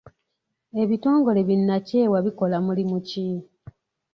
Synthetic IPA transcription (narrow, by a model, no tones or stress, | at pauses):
e̞βito̞ːŋɡo̞le̞βinːace̞ːwaβiko̞lamulimuci